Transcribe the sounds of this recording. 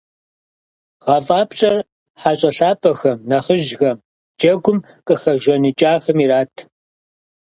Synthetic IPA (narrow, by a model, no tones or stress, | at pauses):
ʁɐfʼaːpɕʼɐr | ħaɕʼɐɬaːpʰʼɐxɐmnɐχəʒɣɐm | d͡ʒʼɐɡʷʊm | qʼəxɐʒʷɐnit͡ʃʼaːxɐmiɾaːtʰ